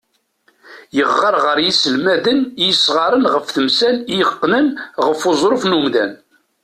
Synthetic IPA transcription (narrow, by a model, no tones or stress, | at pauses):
jəʁːəɾˤʁəɾjisəlmæðənjisʁɑɾˤənʁəfθəmsænijəqːnənʁəfozˤɾˤofnumðæ̰n